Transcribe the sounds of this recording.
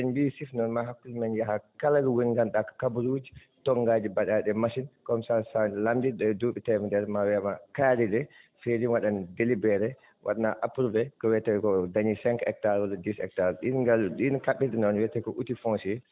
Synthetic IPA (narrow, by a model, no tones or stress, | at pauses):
ɛnbisifnɔnmaɦakːulmanjaɦakalaɡiwunŋɡanɗakḁkabuɾuːd͡ʒi | tɔŋɡaːd͡ʒibaɗaɗɛmasinkɔmsasalamdiɗɔduɓitɛmɛdɛɾmawɛmakaːɾidɛ | feɾinwaɗandelibɛɾɛ | wʔa̰ɗanaʔapɾubɛkɔwɛtɛwɛkɔdaɲisɛŋkɛk̚taɾɔladisɛ̰k̚taɾɗinɡalɗinkaɓːitɛnɔnwɛtɛkɔʔutifɔ̃nsi